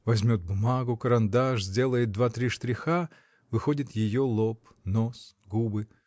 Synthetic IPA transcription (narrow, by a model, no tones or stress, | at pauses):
vɐzʲmʲot̪̚bʊmaɡʊkəɾɐnd̪aʂzʲdʲe̞lˠəjɪt̪̚d̪vat̪ɾʲiʂt̪ɾʲɪxa | vɨxo̞dʲɪt̪jɪjolˠop | nos | ɡubɨ